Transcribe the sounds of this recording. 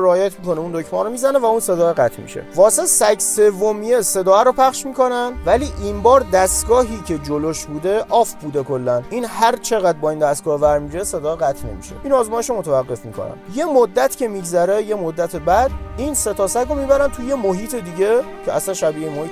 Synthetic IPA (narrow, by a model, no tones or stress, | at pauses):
ɾeːjæt̪ʰmikʰo̞neund̪ocʰmɒːɾomiːzæne̞væunse̞d̪ɒːeɣæt̪ʰmḭʃḛvɒːse̞sæɡse̞vːomijese̞d̪ɒːæɾopʰæχʃmiːkʰo̞nænvæliːʔinbɒːɾd̪æst̪ɡɒːɦiːcʲʰe̞d͡ʒoloʃbuːd̪e̞ʔɒːfbuːd̪e̞kolːæniːnhæɾt͡ʃʰe̞ɣæd̪̚bɒːiːnd̪æst̪ɡɒːhvæɾmiɾeese̞d̪ɒːeɣæt̪ʰne̞̰mḭʃe̞̰ʔiːnɒːzmɒːjeʃomot̪ʰævæɣːe̞fmikʰo̰næ̰nje̞mod̪ːæt̪ʰcʲʰe̞miːɡzæɾeje̞mod̪ːæt̪ʰe̞bæd̪̥̚iːnse̞t̪ʰɒsæɟɾomiːbæɾænt̪ʰuje̞moɦiːt̪ʰe̞d̪iːɟe̞cʰeʔæsænʃæbiːemohiːt̪